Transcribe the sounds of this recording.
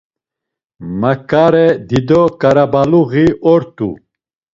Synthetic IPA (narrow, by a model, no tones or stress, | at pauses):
makʼaɾɛd̪id̪ɔkʼaɾabaluɣiʔɔɾt̪ʼṵ